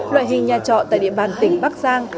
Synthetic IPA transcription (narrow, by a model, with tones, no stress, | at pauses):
lwa̰ː˧˨jɦï˨˩ŋ̟ɲaː˨˩t͡ɕɔ̰˧˨t̪a̰ː˧˨jɗḭ˧əɓaː˨˩nt̪ï˨˩˦ŋ̟ɓa˦˥k̚zaː˧ŋ